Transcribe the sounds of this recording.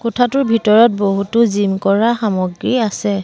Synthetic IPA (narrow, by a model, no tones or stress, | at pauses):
kotʰatʊɹbʱitɔɹɔt̚boɦutʊzimkɔɹaxamɔɡɹiasɛ